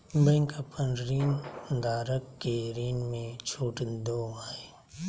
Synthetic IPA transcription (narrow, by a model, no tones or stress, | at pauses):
bɐŋkɐpʰənɾiːnd̪aːɾəkːeɾiːnmẽt͡ʃʰoːʈd̪oːae